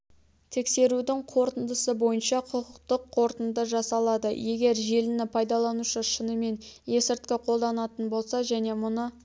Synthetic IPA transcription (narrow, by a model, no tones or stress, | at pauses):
t̪ʰe̞kse̞ɾud̪ɪŋqʰo̞ɾt̪ənd̪əsəbo̞jənʃɑqʰʊqəqt̪əqʰːo̞ɾt̪ənd̪əʒɑsɑlˠɑd̪əje̞ɡʲe̞ɾʒe̞lɪnɪpʰɑjd̪ɑlˠɑnuʃəʃənəme̞nje̞sɪɾt̪̚kʲɪqʰo̞lˠd̪ɑnɑt̪ənbo̞lˠsɑʒæne̞mʊnə